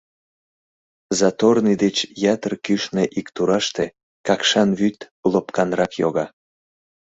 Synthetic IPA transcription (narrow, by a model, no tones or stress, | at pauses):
zɑt̪ornid̪et͡ɕjɑt̪ərkyʃneʔikt̪uɾɑʃt̪e | kɑkʃɑnβyt̪ | lopkɑnrɑkjoɣɑ